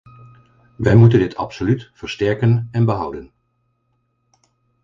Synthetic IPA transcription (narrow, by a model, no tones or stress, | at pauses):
ʋɛjmutəndɪtʰɑ̰psolytfəɹstɛɹkənɛnbəɦʌwdən